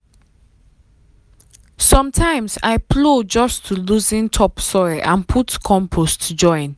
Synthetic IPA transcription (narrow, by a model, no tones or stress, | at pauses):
sɔ̃mtʰãɪ̃msa̰ɪpʰlod͡ʒɔstʰuluzĩntʰɔpsɔɹiʔãnpʰutkʰɔ̃mpʰostd͡ʒɔ̃ɪ̃n